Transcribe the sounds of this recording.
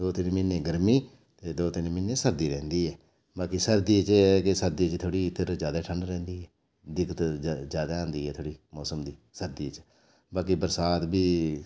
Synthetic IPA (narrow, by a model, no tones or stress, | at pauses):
d̪oːt̪ɪnmɪnːẽːɡəɾmiː | t̪eːd̪oːt̪ɪnmɪnːẽːsəɾd̪iːɾɛ̃ːnd̪iːɦɛː | baːkisəɾd̪iːt͡ʃːɛːkɪsəɾd̪iːt͡ʃt̪ʰoːɽiːp̪ʰɪɾd͡ʒjaːd̪aːʈʰəɳɖɾɛ̃ːnd̪iːɦɛː | d̪ɪkət̪d͡ʒjaːd̪aːãːnd̪iːɦɛːt̪ʰoːɽiːmɔːsəmd̪iːsəɾd̪iːt͡ʃ | baːkibəɾsaːt̪biː